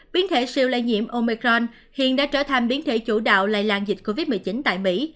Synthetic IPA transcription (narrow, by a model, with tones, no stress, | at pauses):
ɓi˨˦ənt̪ʰe˧˩si˧əwlə˧jɲḭ˧˨əmʔo˧mi˧kɾɔ˧n | hḭ˧˨ənɗa̰ː˧˥t͡ɕəː˧˩t̪ʰa˨˩jŋ̟ɓi˨˦ənt̪ʰe˧˩t͡ɕu˧˩ɗa̰ː˧˨wla̰ː˧˨jlaː˧nzï˨˩t̟̚ko˧vi˦˥t̚mi˨˩jt͡ɕi˨˦nt̪a̰ː˧˨jmḭ˧˥